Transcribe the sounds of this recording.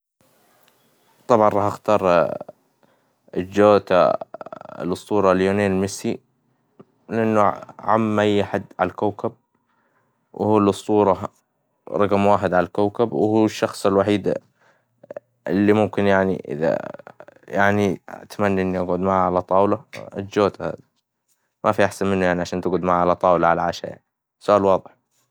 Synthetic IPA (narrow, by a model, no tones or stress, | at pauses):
t̪ˤɑbʕɑnɾˤɑːħaxt̪ɑːɾˤ | d͡ʒːoːt̪a̰ | ɪ̰lʔɨsˤt̪ˤuːɾˤɑljoːneːnɪlmɪsːi | lɪʔɪnːuʕa̰mːʔajːħad̪ːʕa̰lakawkab̚ | wʔhuːlɨsˤt̪ˤuːɾˤɑ | ɾˤɑɡmwaːħɪd̪ʕalalkawkabwhuːʃːɑxsˤɪlwaħiːd̪ | ɪlːimʊmkɪnjaʕnḭʔɪ̰ða̰ | jaʕnia̰t̪manːaʔɪnːiʔaɡʕʊd̪maʕʕalat̪ˤɑːwla̰d͡ʒoːt̪ha̰ːði | mʔafiʔaħsanmɪnːujaʕniʕaʃaːnt̪ɪɡʕʊd̪maʕaʕalat̪ˤɑːwlɑʕalaʕaʃa̰ja̰ʕni | sːʊʔaːlwɑːðˤɨħ